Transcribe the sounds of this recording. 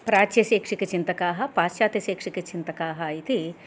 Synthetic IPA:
pɾaːt͡ʃjɐseːkʂikɐt͡ʃint̪ɐkaːɦɐ̆paːʃaːt̪jɐseːkʂikɐt͡ʃint̪ɐkaːɦɐit̪i

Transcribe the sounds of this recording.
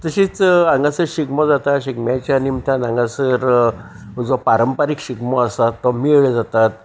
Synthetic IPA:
t̪əɕit͡sãŋɡãsəɾɕikmɔd͡zat̪aɕiɡmjãt͡ɕjanimt̪ʰãnãŋɡãsəɾ | ud͡zɔpaɾəmpaɾikɕikmɔəsat̪ːɔmieɭed͡zat̪at̪

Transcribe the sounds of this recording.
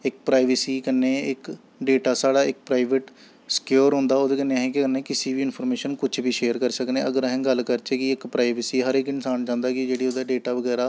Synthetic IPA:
ɪk̚pɾaːɪʋəsiːkənːeːɪk | ɖeːʈaːsaːɽaːɪk̚pɾaːɪʋəʈ | sə̥kjoːɾɦõːnd̪aːoːd̪eːkəneːaːɦẽːk̬ɪkənːeːkɪsiːbiːɪnpʰəɾmeːʃənkʊt͡ʃʰbiːʃeːəɾkəɾsəknẽːəɡəɾɦɛ̃ːɡəlkəɾt͡ʃeːkɪɪkpɾaːɪʋəsiːɦəɾɪkɪnsaːnd͡ʒãːnd̪aːkɪd͡ʒeːɽiːoːd̪aːɖeːʈaːʋəɡɛːɾaː

